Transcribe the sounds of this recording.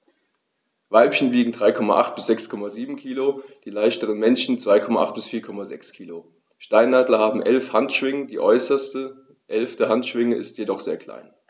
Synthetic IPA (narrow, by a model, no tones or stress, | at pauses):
vaɪpçən̩viːɡŋ̩dʁaɪkʰɔma̰ʔaχt̚b̥ɪsz̥ɛkskʰɔmaziːbm̩kʰiːlod̥iːlaɪʃtəʁ̞ənmɛnʃn̩t͡sv̥aɪkʰɔmaʔa̰χt̚b̥ɪsfiːɐkʰɔmazɛ̰kskʰiːlo | ʃtaɪnːaːdlɐhaːbm̩ʔɛlfhantʃv̥ɪŋədiːʔɔʏsɐstə | ʔɛlftəhantʃv̥ɪŋəɪstʰjedɔχz̥eːɐkʰl̥a̰ɪn